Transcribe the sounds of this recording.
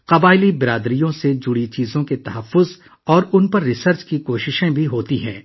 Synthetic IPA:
qɐbaːɪlibɪɾaːd̪ɾijõsed͡ʒʊɽit͡ʃiːzõket̪ɐɦɐfːʊz | ɔːɾʊnpɐɾːɪsəɾt͡ʃkikoːʃɪʃẽbʱiɦoːt̪iɦɛ̰̃ː

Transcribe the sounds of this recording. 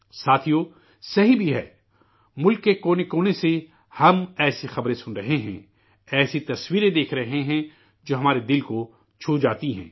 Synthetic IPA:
saːt̪ʰijoː | sɐɦibʱiɦɛ̰ː | mʊlkːekoːnekoːnese | hɐmɛːsixɐbɾẽsʊ̃nɾɐɦeɦɛ̰̃ | ɛːsit̪ɐswiːɾẽd̪eːkʰɾɐɦeɦɛ̃ | d͡ʒoːɦɐmaːɾed̪ɪlko | t͡ʃʰuːd͡ʒaːt̪iɦɛ̰̃ː

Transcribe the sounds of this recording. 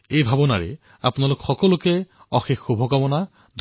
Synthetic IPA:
ejbʱabɔnaɹɛ̰ | apnalʊkxɔkɔlʊkɛ | ɔxexːubʱɔkamɔna | d̪ʱ

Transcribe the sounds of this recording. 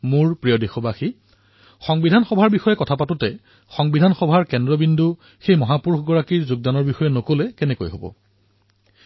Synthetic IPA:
muɹpɹijodixɔbaxi | xɔŋbidʱanxɔbʱaɹbixɔjɛkɔtʰapatʊtɛ | xɔŋbidʱanxɔbʱaɹkɛndɹɔbindʱu | xejmɔɦapuɹxɡɔɹakiɹzʊɡ̚danɔɹbixɔjɛnokolɛkɛnɛko̰jɦo̰bɔ̰

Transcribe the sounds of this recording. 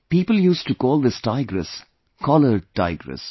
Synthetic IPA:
piːpəljuːsʈukɔːlˠd̪ɪsʈaɪɡɾə̰s | kʰɔləɾʈa̰ɪɡɾə̰s

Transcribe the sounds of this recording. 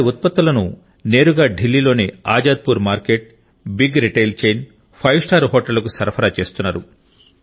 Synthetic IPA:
iut̪̚pɐt̪ːulɐnu | ne̞ːɾuɡaːɖʱilːiːlo̞ːnia̰ːd͡ʒaːd̪̚puːɾmaːɾkeʈ̚ | biɡɾiʈejlt͡ʃejn | pʰɐjʋsʈaːɾɦɔːʈɐlːɐkusɐɾpʰɐɾaːt͡ʃe̞ːst̪unːaːɾu

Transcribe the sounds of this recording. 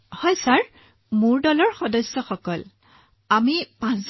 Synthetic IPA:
hɔjsaɹ | mʊɹdɔlɔɹxɔdɔsːɔxɔkɔl | amipãsz

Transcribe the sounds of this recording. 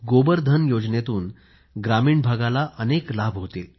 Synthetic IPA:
ɡobəɾd̪ʱənjod͡ʑnet̪uːn | ɡɾamiːɳbʱaɡalaʔəneklabʱɦot̪e

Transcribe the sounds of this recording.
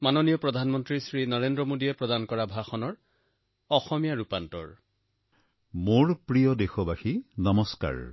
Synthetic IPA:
manonijɔpɹɔd̪ʱanmɔntɹisɹinɔɹendɹɔmodiepɹɔdankɔɹabʱaxɔnɔɹ | ɔxɔmijaɹupantɔ̰ɹ | moɹpɹijɔdexɔbaxinɔmɔska̰ɹ

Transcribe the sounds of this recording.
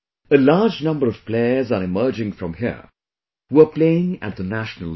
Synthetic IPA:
əlaːd͡ʒnʌ̃mbəɹʌv̥pleəzəɾɪmɜ˞d͡ʒɪ̃ŋfɾʌ̃mɦḭ | wə˞pleɪɪ̃ŋæ̰t̪̚ðənæʃnəl

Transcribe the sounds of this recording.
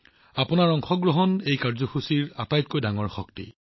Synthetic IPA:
apʊnaɹɔŋxɔɡɹɔɦɔnejkaɹzɔxusiɹatajtkojdaŋɔɹxɔk̚tḭ

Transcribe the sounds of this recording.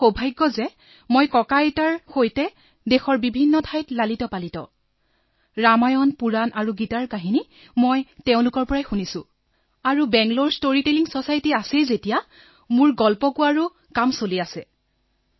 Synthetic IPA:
obʱajɡːɔzɛ | mojkɔkajtaɹxojtɛ | dexɔɹbibʱinːɔtʰajtlalitɔpalitɔ̰ | ɹamajɔnpuɹanʔaɹuɡitaɹkaɦini | mojtɛʊ̃lʊkɔɹpɔɹajxunisʊ̃ | aɹubɛŋɡloɹstoɹiteliŋsɔsajtiasɛjzetija | mʊɹɡɔlpɔkʊaɹu | kamsoliasɛ

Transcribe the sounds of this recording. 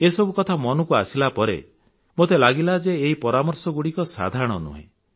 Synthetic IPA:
esɔbʱukɔt̪ʰamɔnukuasilapɔɾḛ | mot̪elaɡilad͡ʒeːɦipɔɾamɔɾsɔɡuɽikɔsa̰d̪ʱaɾɔɽ̃ɔnṵɦḛ̃

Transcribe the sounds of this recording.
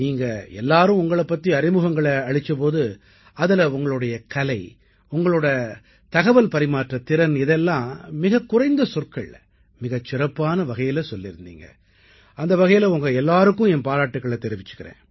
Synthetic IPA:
niːŋɡɐɛlːaːɾɯ̃ʊŋɡɐɭɐpːɐt̪ːiɐɾɪmɯɣɐŋɡɐɭɐɐɻɪt͡ʃːɐp̬oːðɯ | ɐðɪlɐʊŋɡɐɭɯɽɐjɐkɐlɐɪ | ʊŋɡɐɭoːɽɐ | t̪ɐɣɐʋɐlpɐɾɪmaːʈrɐt̪ɪɾɐnɪðɛlːãːmɪɣɐkːʊrɐɪnd̪ɐsʊrkɐɭ | mɪɣɐt͡ʃːɪrɐpːaːnɐʋɐɣɐjɪlɐsɔlːɪɾɯnd̪ḭːŋɡɐ̰ | ɐnd̪ɐʋɐɣɐjɪlɐʊŋɡɐɛlːaːɾɯkːʊ̃ɛnpaːɾaːʈːɯkːɐɭɐt̪ːɛɾɪʋɪt͡ʃːɯ̥kːɪɾḛ̃ː

